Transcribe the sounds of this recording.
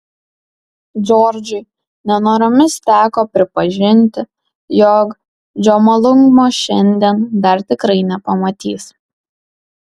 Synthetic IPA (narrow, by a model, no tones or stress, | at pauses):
d͡ʒʲɔːɾʲd͡ʒʲʊɪ | nʲɛnoːɾʲɔmʲɪst̪ʲæːkoːpʲɾʲɪpɐʒʲɪnʲt̪ʲɪ | jɔːk | d͡ʒʲoːmɐlˠʊŋɡmoːʃʲɛnʲd̪ʲiɛnd̪ɐɾt̪ʲɪkɾɐɪnʲɛpɐmɐt̪ʲiːs